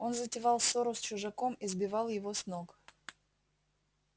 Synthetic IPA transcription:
o̞nzətʲɪvɑlˠsoɾʊst͡ɕʊʐɐko̞mɪzbʲɪvɑlˠjɪvo̞snok

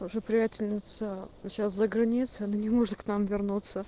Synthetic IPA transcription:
ʊʐəpɾʲɪjætʲɪlʲnʲɪt̪səɕaszəɡɾɐnʲit̪sɨɐnanʲɪmoʐɨt̪̚knamvʲɪrnut̪sə

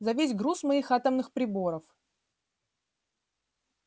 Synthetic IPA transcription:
zɐvʲesʲɡɾusmɐixat̪əmnɨxpɾʲɪbo̞ɾəf

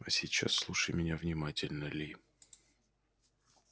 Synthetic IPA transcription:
ɐsʲɪt͡ɕːa̰sːlˠuʂəjmʲɪnʲavnʲɪmatʲɪlʲnəlʲɪ

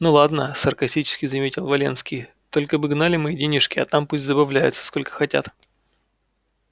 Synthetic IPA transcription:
nulˠad̪nəsərkɐsʲtʲit͡ɕɪ̥skʲɪzɐmʲetʲɪlˠvɐlʲe̞̰nskʲij | t̪o̞lʲkəbɨɡnalʲɪmɨidʲenʲɪʂkʲɪɐ̰t̪ampusʲtʲzəbɐvlʲæjɪ̰t̪sə̥sko̞lʲkə̥xɐtʲa̰t̪

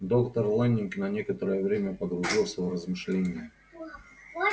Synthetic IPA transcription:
d̪okt̪ərlˠanʲɪnknɐnʲe̞kət̪əɾəjəvɾʲemʲəpəɡɾʊʐilˠsʲəvrəzmɨʂlʲenʲɪjə

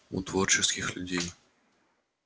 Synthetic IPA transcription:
ṵt̪vort͡ɕɪskʲɪxlʲʊdʲej

